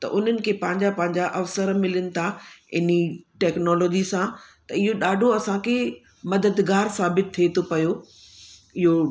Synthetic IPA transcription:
t̪ɐ̰ʔʊn̤ənɪ̆kʰeːpɐ̃ɦɪ̃ɲd͡ʑapɐ̃ɦɪ̃ɲd͡ʑaʔɐfsəɾmɪlənɪ̆t̪ʰaɪniʈɛːknɔːlɔːd͡ʑisãt̪ɐɪɦoɗaːɖʱoɐsãkʰe | mɐd̪əd̪ɡaːɾsaːbɪt̪ʰːiet̪ʰopɐjo | ɪɦo

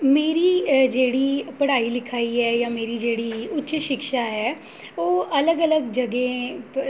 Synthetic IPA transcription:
meːɾiːd͡ʒeːɽiːpɐɽaːilɪkʰaːiɦɛːjaːmeːɾid͡ʒeːɽiːʊtːʃʃɪkʃaːɦɛː | oːʔɐləɡələɡd͡ʒɐɡẽ

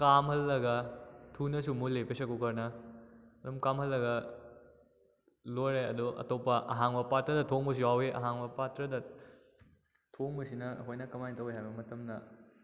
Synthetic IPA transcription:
kamhɐlːɐɡɐtʰunɐsumulepesɐkukɐɾnɐ | ɐɾumkamhɐlːɐɡɐ | lojɾaɐ̰doʔɐ̰topːɐʔɐ̰ɦaŋbɐpatɾɐdɐtʰoŋbɐs̬uwaweʔɐ̰ɦaŋbɐpatɾɐdɐ | tʰoŋbɐsinɐɐ̰kʰojnɐkɐmajntɐweɦajbɐmɐtɐmnɐ

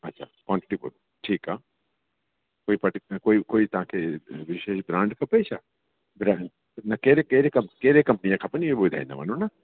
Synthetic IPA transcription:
ɐtːʃʰa̰kwaːɳʈɪʈip | ʈʰiːkɦaː | koːipɐʈkoːikoːit̪ɐãkeʋɪʃeːʃbɾãːɳɖkɐpeːt͡ʃʰa | bɾa | nɐkeːɾekeːɾekɐmkeːɾekɐ̃mpnijãkʰapɐniebod̪ʱa̰ḭnd̪a̰mɐ̰nũnɐ

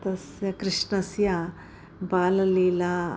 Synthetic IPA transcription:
t̪ɐsjɐkɾiʂɳɐsjɐ | baːlɐliːla

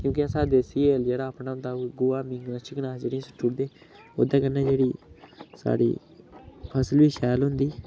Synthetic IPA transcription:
kjũːk̬ɪãsaːd̪eːsiːəld͡ʒeːɽaːəpnãɦʊ̃nd̪aːɡʊːaːmĩŋɡnaːʃɪknaːd͡ʒeːɽiãsʊ̥ʈʰːuɽd̪eː | o̰ːd̪aːkənːãːd͡ʒeːɽiːsa̰ːɽḭː | pʰəsəlʋiːʃɛːlɦʊ̃nd̪iː

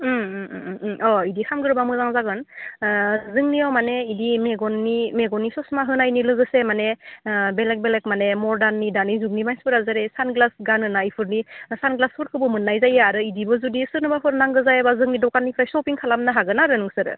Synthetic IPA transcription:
ɔidikʰamɡɯɾbamɯzaŋzaɡɯn | zɯŋniawmaneidimeɡɔnːimeɡɔnisɔsmaɦɯnajnilɯɡɯsemanebelek̚belek̚manemɔɾdanːidanizuŋnimajspɯɾazaɾesanɡlasɡanɯnaipʰɯɾnisanɡlaspʰɯɾkʰɯbɯmɯnːajzajaɾɯidibɯzudisɯɾnɯbapʰɯɾnaŋɡɯzajabazɯŋnidɔkanːipʰɾajsɔpiŋkʰalamnaɦaɡɯnaɾɯnɯŋsɯɾɯ̰

